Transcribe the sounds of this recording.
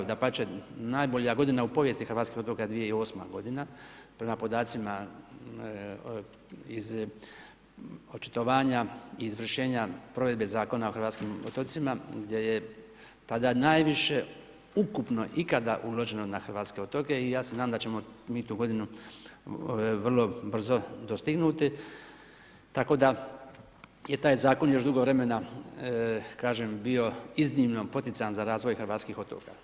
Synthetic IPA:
d̪apat͡ʃenaːjboʎijaɡo̞d̪inaupo̞ʋje̞st̪ixɾʋat̪kixot̪okad̪ʋijeio̞ːsma̰ɡo̞d̪inapɾe̞mapo̞d̪aːt̪sima | iz | ot͡ʃi̥t̪o̞ʋaːɲaiːzʋr̩ʃe̞ːɲapɾoʋe̞d̪̚be̞zaːko̞nao̞xɾʋaːt̪skimo̰t̪ot̪simaɡd̪je̞je | t̪ad̪anaːjʋiʃe | ukupno̞ʔikad̪a̰ʔulˠo̞ʒe̞nonaxr̩ʋaːt̪ske̞ot̪oke̞ijaːsenaːd̪amd̪at͡ɕe̞momiːt̪uːɡo̞d̪inu | ʋr̩lˠo̞br̩zo̞d̪ost̪iɡnuːt̪i | t̪ako̞ːd̪a | je̞t̪aːjzaːko̞njo̞ʃd̪uɡoʋɾe̞me̞na | kaːʒembio̞iznimno̞po̞t̪it̪sanzaɾaːzʋo̞jxr̩ʋaːt̪skiːxo̞t̪oːka

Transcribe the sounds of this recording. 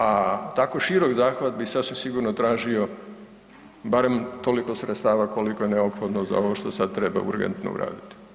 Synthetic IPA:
at̪akoʃiɾo̞ɡzaːxʋat̪̚bisasʋimsiɡuɾnot̪ɾaːʒio̞ | baɾe̞mt̪o̞liko̞sɾet̪st̪aːʋako̞likojeneopxo̞d̪noza̰o̞ʋoʃt̪o̞sad̪̚t̪ɾe̞ba̰ṵɾɡḛnt̪no̰ṵɾa̰ːd̪it̪i̥

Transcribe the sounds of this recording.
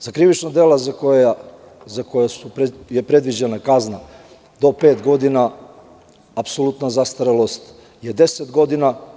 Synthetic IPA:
zakɾiʋit͡ʃnad̪eːlazakoja | zakojasupjepɾe̞d̪ʋid͡ʑenakazna | d̪o̞peːt̪ɡo̞d̪ina | apsolˠut̪nazast̪aɾelost̪ | jed̪e̞set̪ɡo̞d̪ina

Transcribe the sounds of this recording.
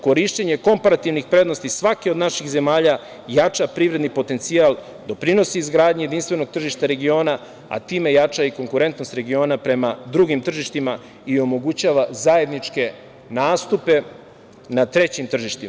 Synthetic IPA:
ko̞ɾiʃt͡ɕeɲe̞ko̞mpaɾat̪iʋnixpɾe̞d̪nost̪isʋakeo̞d̪naʃixze̞maːʎa | jat͡ʂapɾiːvɾe̞d̪nipo̞t̪e̞nt̪sial | d̪o̞pɾino̞siːzɡɾaːd̪ɲejeinst̪ʋe̞no̞ɡ̚t̪r̩ʒiʃt̪aɾe̞ɡio̞ːna | a̰t̪iːme̞jat͡ʂaiko̞ŋkuɾe̞nt̪nost̪ɾe̞ɡio̞ːnapɾe̞mad̪ɾuɡimt̪r̩ʒiʃt̪ima | io̞mo̞ɡut͡ɕaːʋazae̞d̪nit͡ʂke̞ | naːst̪upe̞ | nat̪ɾe̞t͡ɕimt̪r̩ʒiʃt̪ima

